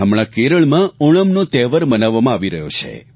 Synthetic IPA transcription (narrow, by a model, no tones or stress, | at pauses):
ɦəmɭãkeɾəɭmãoɭ̃əmnot̪ɛʋəɾmənaʋːamãaʋiɾəɦjot͡ʃʰḛ